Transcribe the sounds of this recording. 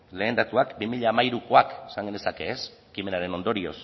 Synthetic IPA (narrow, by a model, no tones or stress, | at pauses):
le̞ːnd̪at̪uakbimiʎaːmaiɾuko̞akesaŋɡend̪e̞sake̞skime̞naɾe̞no̞nd̪o̞ɾio̞̰s